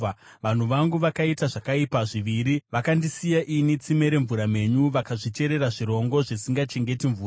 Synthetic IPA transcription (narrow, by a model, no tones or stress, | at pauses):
ʋan̤uʋaŋɡuʋakaitaʐakaipaʐiʋiɾiʋakandisijaʔinit͡sime̞ɾe̞ɱvuɾame̞ɲuʋakaʐit͡ʃe̞ɾe̞ɾaʐiɾo̞ŋɡo̞ʐisiŋɡat͡ʃe̞ŋɡe̞tiɱvuːa